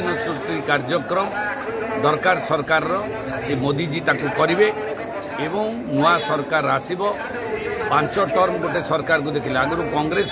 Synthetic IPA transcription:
nɔsust̪ikaɾd͡ʒɔkɾɔm | d̪ɔɾkaɾsɔɾkaɾɔɾɔ | semod̪id͡ʒit̪akukɔɾibe | ebɔŋ | nuasɔɾkaɾasibɔ | pãnt͡ʃɔʈɔɾmɔɡoʈesɔɾkaɾɔk̬ud̪ekʰileaɡɔɾukɔŋɡɾes

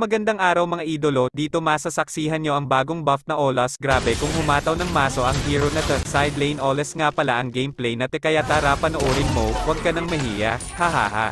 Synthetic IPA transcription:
mɐɡɐnd̪aŋʔaːɾɐwmɐŋaʔiːd̪olo̞d̪iːt̪o̞maːsɐsɐk̚siːɦɐnɲo̞ʔɐŋbaːɡo̞ŋbɐft̪̚nɐʔoːlɐsɡɾaːbɛkʊŋhʊmaːt̪ɐwnɐŋmaːso̞ʔɐŋhiːɾonɐt̪ɐsajd̪lejnʔoːlɛsŋapɐlaʔɐŋɡejmplɛjnɐt̪ɛkɐjat̪aɾapɐnɐʔoːɾɪnmowɐɡ̚kɐnɐŋmɐɦiːjɐ | hɐha̰ːha̰

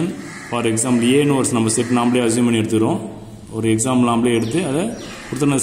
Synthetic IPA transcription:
n | faːɾɛksaːmpleːnuʋɐɾsnɐmbɐsɛʈːnaːmbleːɐsʋjmpɐɳːiɛɽɯt̪̬ːɯkɪɾõː | ɔɾɯɛksaːmlnaːmbleːɛɽɯt̪̬ːɯɐðɐ | pʊɾɯt̪ːɾɐn

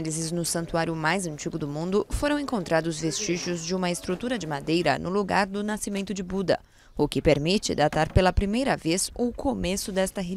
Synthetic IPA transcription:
lizɪznʊsɐ̃nt̪uaɾjʊmajzɐ̃nt͡ʃiɡʊd̪ʊmũnd̪ʊfoɾɐ̃w̃ẽŋkõnt̪ɾad̪ʊzvest͡ʃiʒʊzd͡ʒɪũmɐɪst̪ɾut̪uɾɐd͡ʒɪmad̪ejɾɐ̰nʊluɡaɾd̪ʊnasimẽnt̪ʊd͡ʒɪbud̪ɐ̰ | ʊkɪpeɾmit͡ʃɪ̰d̪at̪aɾpelɐpɾimejɾɐvezʊkomesʊd̪ɛst̪ɐɦe

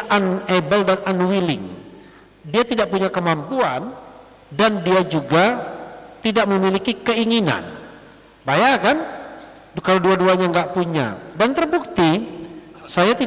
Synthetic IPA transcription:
ʔanebəldananwilɪŋ | diat̪idaʔpuɲakəmampuan | dandiad͡ʒuɡa | t̪idaʔməmilikikəiŋina̰n | bajaŋkan | kalaoduaduaɲaŋɡaʔpuɲa̰dant̪ərbuk̚t̪i | sajat̪i

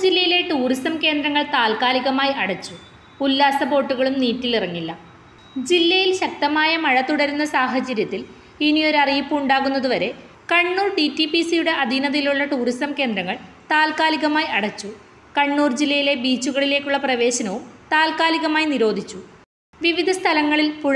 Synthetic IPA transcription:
d͡ʑilːɐjile̞ʈuːrist̪ɐmke̞ːnd̪ɾɐŋːɐɭt̪aːlkaːliɣɐmaːjiʔɐɽɐt͡ɕːu | ulːaːsɐpo̞ːʈːuɣɐɭumniːtːilirɐŋːilːɐ | d͡ʑilːɐjilɕɐk̚t̪ɐmaːjɐmɐɻɐt̪ːuɽɐɾunːɐsaːɦɐt͡ɕɐɾjɐt̪ːil | inio̞ɾɐrijipːumuɳɖaːɣunːɐðuʋɐɾe̞ | kɐɳːuːrɖitːipisijuɽe̞ʔɐd̪ʱinɐðiluɭːɐʈuːrist̪ɐmke̞ːnd̪ɾɐŋːɐɭ | t̪aːlkaːliɣɐmaːjiɐɽɐt͡ɕːu | kɐɳːuːrd͡ʑilːɐjile̞biːt͡ɕːuɣɐɭile̞ːkʲːuɭːɐprɐʋe̞ːɕɐnɐʋumt̪aːlkaːliɣɐmaːjiniɾo̞ːd̪ʱit͡ɕːu | ʋiʋid̪ʱɐst̪ʰɐlɐŋːɐɭilpuɻ

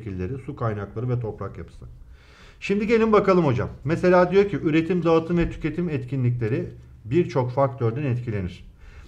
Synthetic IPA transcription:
cilʲːe̞ɾisukʰajnaklˠaɾɯvɛt̪ʰo̞pɾakjapʰɯ̥sɯ | ʃimd̪iɟe̞lʲimbakalˠɯmho̞d͡ʒa̰mːɛse̞lʲaːd̪ijoɾcʰiʔyɾe̞t̪ʰimd̪aːt̪ʰɯmvɛt̪ʰy̥cʲe̞t̪ʰimɛt̪cʰinlʲic̬ʲlʲe̞ɾi | biɾt͡ʃʰo̞kfak̚t̪ʰøɾd̪ænɛt̪cʰilʲe̞niɾ̝̥

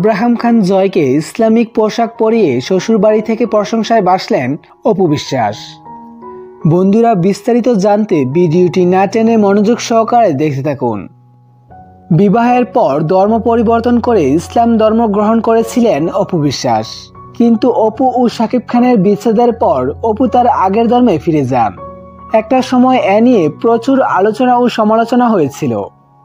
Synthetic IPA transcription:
abɾaɦamkʰand͡ʑɔekeislamik̚poʃak̚poɾieʃoʃuɾbaɾit̪ʰekepɾoʃoŋʃaebaʃlen | opobiʃːa̰ʃ | bond̪uɾabist̪aɾit̪od͡ʑant̪ebiɖioʈinaʈenemɔnod͡ʑoɡʃɔɦkaɾed̪ekʰt̪et̪ʰakṵn | bibaɦeɾpɔɾd̪ʱɔɾmopoɾiboɾt̪onkoɾeislamd̪ʱɔɾmoɡɾoɦonkoɾet͡ɕʰilenopobiʃːa̰ʃ | kint̪uʔopuʔoʃakib̚kʰaneɾbit͡ɕʰed̪eɾpɔɾoput̪aɾaɡeɾd̪ʱɔɾmefiɾed͡ʑa̰n | ɛk̚ʈaʃɔmɔeʔɛnijepɾot͡ɕuɾa̰lot͡ɕonaoʃɔmalot͡ɕonaɦojet͡ɕʰilo̰

